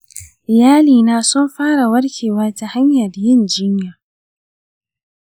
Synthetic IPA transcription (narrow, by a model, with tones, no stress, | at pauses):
jaː˦liː˨naː˨sʊ˦mɸaː˦ɽa˨wɐ˦ɽkʲʰeː˨waː˦ta˨ha˦ɲjɐ˨rjɪ˦˨nd͡ʒɪ˦ɲjaː˨